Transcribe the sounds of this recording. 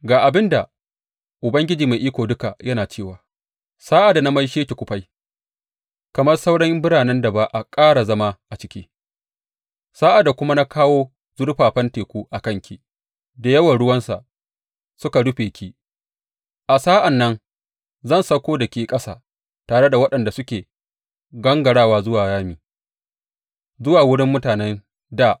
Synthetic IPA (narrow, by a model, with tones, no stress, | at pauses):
ɡaː˨ʔa˨bɪ˦nda˨ | ʔʊ˨bɐ˦ŋɡʲɪ˦d͡ʒiː˨ma˨ʔiː˦kʷoː˨dʊ˦ka˨jɐ˦naː˨t͡ʃeː˦˨waː˨ | saː˦ʔa˨da˨na˦mɐ˦jʃeː˦kʲe˨kʷʊ˦ɸa˦j | kɐ˨mɐ˦rsa˦wɽɐ˦mbɪ˦ɽaː˨nɛ˦nda˨ba˦ʔa˨kʼaː˦ɽa˨zɐ˦ma˦ʔa˨t͡ʃɪ˦kʲiː˦ | saː˦ʔa˨da˨kʷʊ˦ma˦na˦kʰaː˦woː˦ | zʊ˦ɽɸaː˨ɸɐ˦nteː˨kʷuː˦ʔa˨kɐ˦ŋkʲʰi˨ | da˨jɐ˦wɐ˨nɽʊ˦wɐ˦nsa̰˨ʔ | sʊ˦ka˨ɽʊ˦ɸeː˨kʲʰi˦ | ʔa˨saː˦ʔa˨nːɐ˦n | zɐ˦˨nsɐ˦kʷoː˦dɐ˨kʲiː˨kʼɐ˦sa̰ː˨ | taː˨ɽe˦da˨wɐ˦ɗɐ˨nda˨sʊ˦kʲeː˨ | ɡɐ˦ŋɡɐ˨ɽaː˦˨waː˦zʊ˦waː˨jaː˦miː˨ | zʊ˦waː˨wʊ˦ɽɪ˦mːʊ˦taː˨nɛ˦n | daː˦˨ʔ